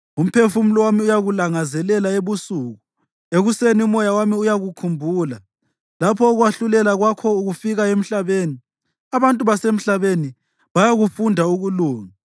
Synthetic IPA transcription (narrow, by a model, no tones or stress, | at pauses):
um̩pʰefum̩lɔwamiujaɣulaŋazɛlɛlaeβusuːɣu | eɣuseniumɔjawamiujaɣukʰumbʱuːla | lapʰɔːɣwaɬulɛlaɣwakʰɔuɣufiɣaem̩ɬaβeni | aβantʼuβasem̩ɬaβeni | βajaɣufundʱauɣuluːŋa